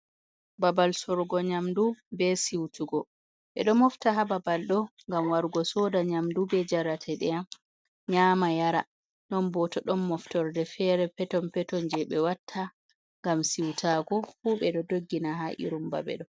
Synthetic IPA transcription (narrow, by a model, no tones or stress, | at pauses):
babalsɔɾɡɔɲamdubɛsiwtuɡɔ | ɓɛ̰ɗɔmɔftaɦababalɗɔŋɡamwaɾɡɔsɔdaɲamdubɛd͡ʒaɾatʰɛɗɛam | ɲaːmajaɾa | nɔnbɔtɔɗɔnːɔftɔɾdɛfɛɾɛpɛtɔmpɛtɔnd͡ʒɛɓɛwatʰːa | ŋɡamsiwtʰaɡɔfuɓɛɗɔdoɡːinaɦaʔḭɾumba̰bɛ̰ɗɔ